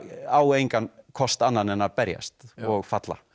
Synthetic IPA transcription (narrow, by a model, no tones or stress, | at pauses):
aːwejŋkankʰɔst̪anːanɛnaðpɛɾja̰st̪ɔɣfat̪la̰